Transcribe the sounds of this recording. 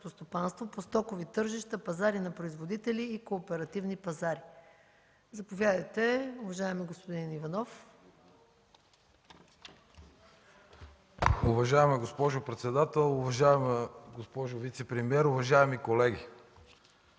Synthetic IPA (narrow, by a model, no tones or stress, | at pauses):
t̪ost̪opanst̪vopost̪ɔkovit̪ɤɾʒiʃt̪əpɐzaɾinɐpɾoizvod̪it̪ɛliːkoːpɛɾɐt̪ivnipɐzaɾi | zɐpovʲjad̪ɐjt̪ɛʊvɐʒaɛmɛɡospod̪inivɐnɔf | ʊvɐʒaɛmɛɡospɔʒʊpɾɛt̪sɛd̪at̪ɛlˠʊvɐʒaɛmɡospɔʒʊvit̪sɛpɾɛmiɛɾʊvɐʒaɛmikolɛɡʲḭ